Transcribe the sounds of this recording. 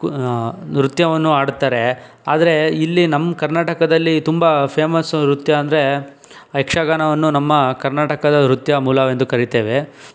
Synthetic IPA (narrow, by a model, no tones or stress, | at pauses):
ɾut̪jɐʋɐnːuaːɽt̪ːaːɾe | aːd̪ɐɾe̞ilːinɐmːkɐɾnaːʈɐkɐd̪ɐlːit̪umbɐpʰeːmɐsɾut̪jɐːnd̪ɐɾe̞ | ekʂaɡaːnɐʋɐnːunɐmːɐkɐɾnaːʈɐkɐd̪ɐɾut̪jɐmuːlɐʋend̪ukɐɾit̪eːʋe̞